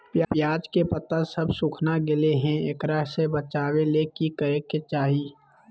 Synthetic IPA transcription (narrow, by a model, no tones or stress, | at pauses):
pjapjaːd͡ʒkepət̪asəbsʊkʰnaɡɪleɦɛ̃ekɾəɦsebət͡ʃaːwelekikəɾeket͡ʃaːɦiː